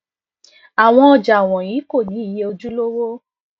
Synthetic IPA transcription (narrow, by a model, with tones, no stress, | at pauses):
a˨w̃ɔ̃˧ɔ˧d͡ʒa˨w̃ɔ̃˨ji˨˦ko˦˨nĩ˨˦i˦˨je˦o˧d͡ʒu˦lo˦wo˦